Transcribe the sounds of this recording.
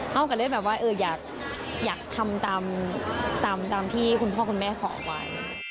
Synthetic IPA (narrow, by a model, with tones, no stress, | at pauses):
ha˥˩wkaː˧˩lɤː˥˩˨jbɛː˨˩p̚waː˦˥˩ʔɤː˧jaː˨˩k̚ | jaː˨˩k̚t̪ʰa˧mt̪aː˧mt̪aː˧mt̪aː˧mt̪ʰiː˥˩kʰu˧npʰɔː˥˩kʰu˧nmɛː˥˩kʰɔː˩˦˥waː˧˩